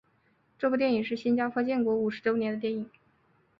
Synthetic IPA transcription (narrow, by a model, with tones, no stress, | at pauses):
ʈ͡ʂɤ˥˧ku˧t̪jɛ˥˩ni˨˩ŋʂ̬ɻ̩˥˩ɕi˥nt͡ɕjɑ˥ʊkʰɤ˥˧t͡ɕjɛ˥˩nkwɔ˧˥u˨˩ʂɻ̩˧˥ʈ͡ʂo˥ʊnjɛ˧˥nd̪ə˧t̪jɛ˥˩ni˨˩˦ŋ